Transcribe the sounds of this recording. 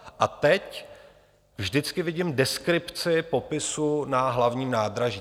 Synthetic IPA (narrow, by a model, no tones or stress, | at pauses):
ʔat̪ɛc | vʒdɪt͡skɪvɪɟɪmdɛskɾɪpt͡sɪpo̞pɪsunaɦlavɲiːmnaːd̪ɾaʒi